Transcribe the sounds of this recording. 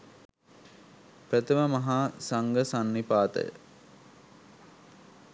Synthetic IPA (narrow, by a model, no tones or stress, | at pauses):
pɾət̪əməmɐɦaːsaŋɡəsanːipaːt̪ə̰jə̰